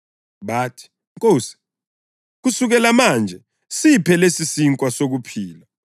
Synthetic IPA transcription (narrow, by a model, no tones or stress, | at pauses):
ɓaːtʰi̥ | ŋkʼoːsi̥ | k̬usuk̬ɛlamaːnd͡ʒʱɛ | sipʰɛlesisiŋkʼwasok̬upʰiːla